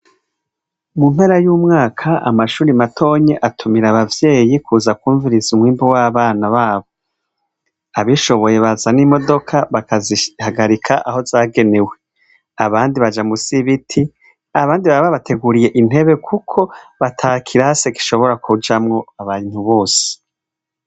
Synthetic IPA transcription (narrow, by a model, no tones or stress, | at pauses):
mumhe̞ɾajuːmŋaːkʰaa̰maʃuːɾimatʰo̞ːɲe̞ʔatʰumiɾaβavje̞ːjikʰuzakuːɱviɾizumwiːmbowaːβaːnaβaːβo̞ | aβiʃo̞βo̞je̞βazanimo̞do̞kʰaβakazihaɡaɾikʰaʔaho̞zaːɡe̞ne̞we̞ | aβaːndiβad͡ʒamusiβitʰi | aβaːndiβaβaβatʰe̞ɡuɾije̞ʔin̥e̞βe̞kʰukʰo̞βatʰakʰiɾaseɡi̥ʃo̞βo̞ɾakʰud͡ʒamŋo̞aβaːn̥huβo̞ːse̥